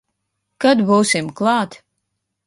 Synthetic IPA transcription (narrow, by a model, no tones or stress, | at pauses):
kad̪buːsimklˠɑːt̪